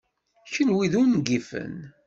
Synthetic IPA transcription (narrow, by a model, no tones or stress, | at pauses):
çənwiðunɡifə̰n